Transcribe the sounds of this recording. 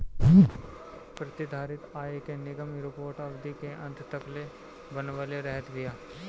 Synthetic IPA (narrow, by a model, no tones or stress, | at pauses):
pɾɐt̪ɪd̪ʱaːɾɪt̪aːekenɪɡəmɾopoːɾʈəbd̪ikeʔɐ̃nt̪t̪əkle | bənʋəleɾɛɦət̪ɡɪjaː